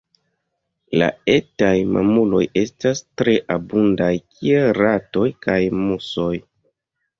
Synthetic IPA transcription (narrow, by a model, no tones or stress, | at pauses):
la̰e̞tajma̰mulo̞̰je̞stastɾe̞ʔabundajkʰie̞lɾato̞jkajmuso̞j